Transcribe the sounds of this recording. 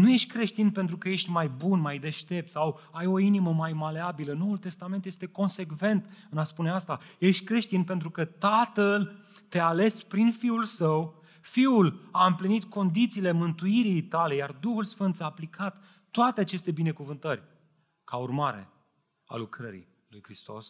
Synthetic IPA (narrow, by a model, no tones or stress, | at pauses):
nuje̞ʃt̪ʲkɾe̞ʃt̪inpe̞nt̪ɾukəje̞ʃt̪ʲmajbunmajd̪e̞ʃt̪e̞p̚t̪sawajo̞iniməmajmaleabiləno̞ult̪e̞st̪ament̪jest̪e̞ko̞nse̞kve̞nt̪ɨnaspune̞ast̪aje̞ʃt̪ʲkɾe̞ʃt̪inpent̪ɾukət̪at̪əlt̪e̞ale̞spɾinfiulsəw | fiulaɨmplinit̪kʰo̞nd̪it̪siːle̞mɨnt̪uiɾijt̪ale̞jard̪uhulsfɨnt̪saːplikʰat̪ː | oat̪eat͡ʃe̞st̪e̞bine̞kuvɨnt̪ərʲ | kaurmaɾe̞̰ | a̰lukɾəɾḭ | lujkɾist̪o̞̰s